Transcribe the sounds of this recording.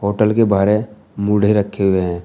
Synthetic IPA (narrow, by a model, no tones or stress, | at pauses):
ɦoːʈəlkebaːɾe | muɽ̤ʱeɾəkʰːeɦʊeɦɛ̃ː